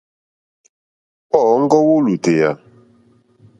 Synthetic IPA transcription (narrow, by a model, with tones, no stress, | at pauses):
ɔ˦˨˦ŋ̩˦kɔ˦wo˦lu˨te˨ja˨